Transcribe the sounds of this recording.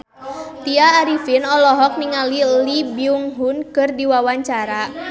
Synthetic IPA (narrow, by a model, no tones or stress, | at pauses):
t̪iaːɾifinɔlɔɦɔk̚niŋalilibiuŋɦunkɨrdiwawaɲt͡ʃaɾa